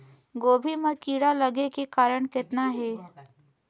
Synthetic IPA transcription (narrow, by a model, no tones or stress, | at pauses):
ɡoːbʱimekiːɽalɐɡekekaːɾəɽ̃kɪt̪naɦɛː